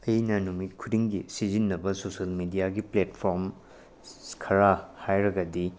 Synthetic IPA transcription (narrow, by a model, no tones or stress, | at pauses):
ɐjnɐnumit̚kʰudiŋɡisizinːɐbɐsosɐlmidijaɡipletpʰoɾm | kʰɐɾahajɾɐɡɐdi